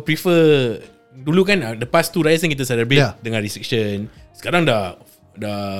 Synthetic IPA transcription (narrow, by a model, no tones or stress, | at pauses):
pɾifə | dulukandəpast̪uɾajəs̬anŋkit̪̬asɛləbedəŋãnɾistɾik̚ʃənsə̥kaɾaŋda | da